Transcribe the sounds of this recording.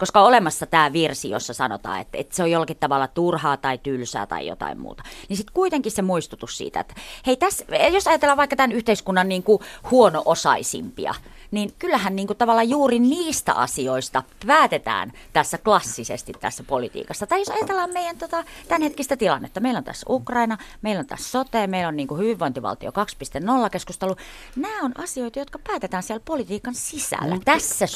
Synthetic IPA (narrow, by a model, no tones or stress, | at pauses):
koskɑolemɑsːɑt̪æːʋirsijo̰sːɑsɑno̰t̪ɑ̰ːḛt̪ːḛt̪seojolːɑkit̪t̪ɑʋɑlːɑt̪urhɑːt̪ɑit̪ylsæ̰ːt̪ɑ̰ḭjo̰t̪ɑ̰immṵːt̪ɑ̥nisit̪kuit̪eŋkissemuist̪ut̪ussḭːt̪æ̰ḛt̪ːæ̥heit̪æsjosɑjɑt̪elːɑːʋɑikːɑt̪ænyht̪eiskunːɑnniːŋkuhuonoʔosɑ̰isḭmpḭɑ̰ | ninkylːæhænniːŋkut̪ɑʋɑlːɑjuːriniːst̪æ̰ʔɑ̰sioist̪ɑpæːt̪et̪æ̰ːn | t̪æsːæklɑsːisḛst̪it̪t̪æ̰sːæpolit̪ḭːkɑsːɑt̪ɑijosɑjɑt̪elːɑːmmeijænt̪ot̪ɑt̪ænhet̪kist̪æt̪ilɑ̰nːḛt̪ːɑmeilont̪æ̰sːukrɑinɑmeilːont̪æ̰ssot̪eːmeilonniːŋkuhyʋiʋʋoint̪iʋɑ̰lt̪io̰kɑkspist̪ennolːɑkeskust̪elu | næːonɑsioit̪ɑjot̪̚kɑpæːt̪et̪æːnsiælpolit̪iːkɑnsisæ̰lːæ̰t̪æsːæ